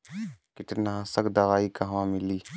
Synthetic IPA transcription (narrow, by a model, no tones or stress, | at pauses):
kɪt̪nɦãsəkd̪ɐʋaːikaɦʋãmɪliː